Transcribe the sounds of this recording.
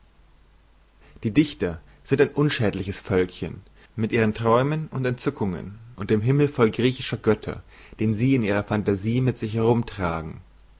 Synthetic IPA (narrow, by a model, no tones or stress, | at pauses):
d̥iːdɪçtɐ | z̥ɪntaɪnʔʊnʃɛːdlɪçəsfœlkçə̰n | mɪtʔiːʁ̞əntʁ̥ɔʏmənʔʊntɛntt͡sʏkʊŋə̰nʔʊnt̚d̥eːmɦɪml̩fɔlɡʁiːçɪʃɐɡœtʰɐ̰ | d̥eːnziːɪniːʁɐfantaziːmɪtz̥ɪçhɛʁʊmtʁ̥aːɡŋ̩